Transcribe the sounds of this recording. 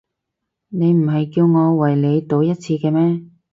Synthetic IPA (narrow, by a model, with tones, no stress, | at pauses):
ne˨˧jm̩˨˩ɦɐ˨jkiː˧wŋɔː˨˧wɐ˨˩jle˨˧jt̪o˨˧wjɐ˥t̚t͡sʰiː˧kɛː˧mɛː˥